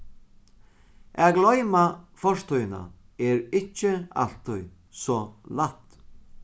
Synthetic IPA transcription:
æɡlɔjmafɔʂt̪ʊjna̰ | ɛɹɪcːəa̰l̥t̪ʊj | sɔːlat̪

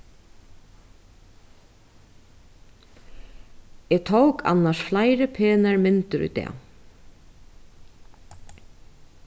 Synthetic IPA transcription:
ɛːt̪ʰowkʰa̰nːaʃflajɾəpʰeːnaɹmɪnt̪ʏɾṵːt̪ɛ̰ː

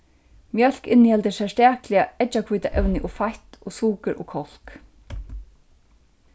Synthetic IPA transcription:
mjœl̥kɪnːjɛlt̪ɪsɛst̪aːklɪaɛt͡ʃːakʰvuːt̪aʔɛwnɪʔɔfajht̪ɔsuːkɪɾʔɔkʰɔl̥k

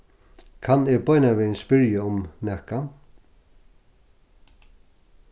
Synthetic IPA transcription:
kʰanɪɡbɔjnaʋɪnspɪɹjaʊmnɛhka

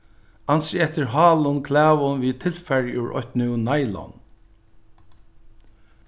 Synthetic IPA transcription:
ɑnsɪɛt̪əɹɦɑːlʊnkʰlæːʋʊnʋiːt̪ʰɪlfɛɹʉ̰ʔɔ̰ht̪nɪnaɪlɔ̰n

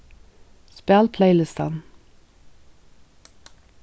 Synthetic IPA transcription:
spælpʰleɪlɪst̪ɑ̰n

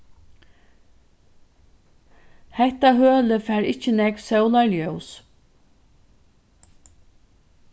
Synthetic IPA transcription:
hɛht̪aɦœːləfɛːɾɪht͡ʃənɛkvsɛwlaɹljœws

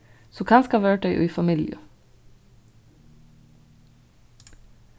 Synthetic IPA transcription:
soːkʰɑːnskɑʋøːɖœʏʔʉ̰iːfɑmɪljə̰

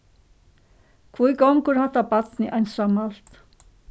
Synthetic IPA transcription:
kʰvujɡɔŋkʊɾhat̪apat̪nɪʔajnsamal̥t̪

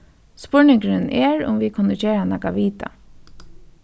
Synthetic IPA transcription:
spʊɹnɪŋkɾɪnɛːɹʊ̰mʋikʰʊnət͡ʃeːɹanakaʋiːt̪a̰

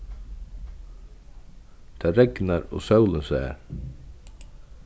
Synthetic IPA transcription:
d̪̥ʰæːɾɛɡnəɾo̰ːsɑʉlənsæːə̰ɾ

